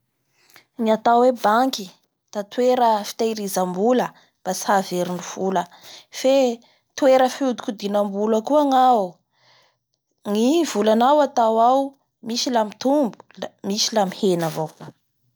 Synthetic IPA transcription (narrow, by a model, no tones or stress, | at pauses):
ŋiat̪awebaŋki | d̪̥at̪weɾəfi̥t̪ajɾizambulə | b̥asi̥haveɾiniv̥uləfe | t̪weɾəfud̪u̥kʲud̪inambuləkuaŋa | ŋivulanawat̪awaw | misilamit̪umbu̥misilamihenavok